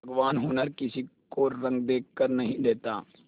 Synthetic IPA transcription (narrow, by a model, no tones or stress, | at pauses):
bʱɐɡʋaːnɦʊnəɾkɪsikkoɾɐ̃ŋɡ̚d̪eːkːkəɾnɐɦĩd̪eːt̪aː